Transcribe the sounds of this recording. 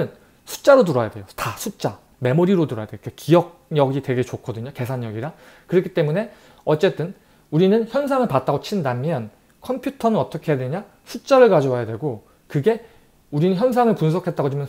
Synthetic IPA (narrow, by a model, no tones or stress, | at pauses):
ɯn | sʰu̥t͡ɕ͈aɾotuɾʌjadwe̞jotasʰut͡ɕ͈a | me̞moɾiɾotuɾʌjadwejokekijʌk̚ɲʌɡitwe̞ɡe̞t͡ɕokʰʌdɯɲoke̞sʰaɲːʌɡiɾakɯɾʌkʰi̥t͈e̞mune̞ | ʌt͡ɕ͈e̞t͈ɯn | uɾinɯnçjʌnsʰaŋɯɭpat̚t͈aɡot͡ɕʰindamjʌn | kʰʌmpʰjutʰʌnɯnʌt͈ʌkʰe̞jadweɲa | sʰut͡ɕ͈aɾɯɭkad͡ʑʌwajadwe̞ɡo | kɯɡe̞ | uɾinɯnçjʌnsʰaŋɯɭpuns̬ʰʌkʰet̚t͈aɡot͡ɕimjʌn